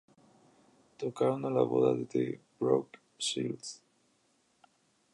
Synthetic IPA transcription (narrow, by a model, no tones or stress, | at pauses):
t̪okaɾonala̰βo̰ðaðed̪ḛbɾok | ʃils